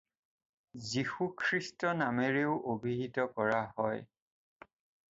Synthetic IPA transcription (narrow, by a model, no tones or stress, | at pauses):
zixukʰɹistɔnameɹeʊʔobʱiɦitɔkɔɹahɔj